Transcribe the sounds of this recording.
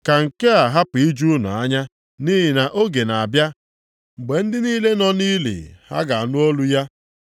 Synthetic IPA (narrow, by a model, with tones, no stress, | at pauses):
ka˨ŋ̩˨ke˦a˨ɦa˦pi˦d͡ʒu˦nʊ̰˨a˦ɲa˦ | ni˦ɦɪ˨na˨ʔo˦ɡe˨na˨a˨bja˦ | ŋ͡m̩˨ɡ͡be˨n̩˦dɪ˦niː˦le˦nɔ˦niː˦lḭ˨ha̰˦ɡa˨a˨nʊ˦o˦lu˦ja˦